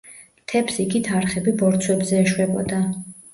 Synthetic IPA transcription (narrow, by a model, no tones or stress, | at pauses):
t̪ʰɛpsiɡit̪ʰaɾχɛbibɔɾt̪sʰwɛbzɛːʃwɛbɔ̰d̪a